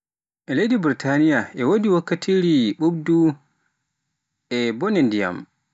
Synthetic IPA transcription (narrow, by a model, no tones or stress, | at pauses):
ʔɛlejdibɾitʰanijaʔɛwodiwakːatʰiɾiɓubdu | ʔɛbɔnɛndija̰m